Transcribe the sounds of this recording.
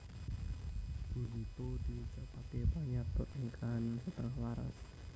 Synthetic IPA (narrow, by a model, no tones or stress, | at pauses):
b̥uɦit̪od̪iit͡ʃapakepaɲat̪ɔʔ̪iŋkʰansət̪əŋahwaɾa̰s